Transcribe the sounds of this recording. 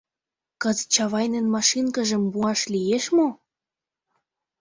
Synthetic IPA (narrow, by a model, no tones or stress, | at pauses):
kɤ̆zət͡ɕɑβɑjnenmɑʃinkə̆ʒə̆mbuɑʃlijeʃmo